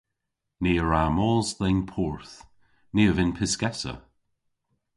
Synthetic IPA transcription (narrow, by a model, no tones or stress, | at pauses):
neːəɹaːmɔːzðɛnpʰɔɹθ | niːəvɪnpʰɪskɛtə̰